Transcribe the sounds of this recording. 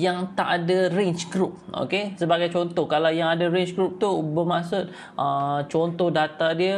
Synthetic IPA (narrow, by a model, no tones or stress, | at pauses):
jaŋt̪aʔadareɲt͡ʃɡɾup̚ʔo̰kesəbaɡajt͡ʃɔnt̪ɔhkalawjaŋadaɾent͡ʃɡɾup̚t̪ubərmaʔsʊt̪̚ | ʔət͡ʃɔnt̪ɔhdat̪adiə